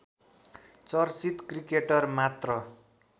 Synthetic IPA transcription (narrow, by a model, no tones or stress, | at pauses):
t͡sʌrsit̪krikeʈʌrmat̪rʌ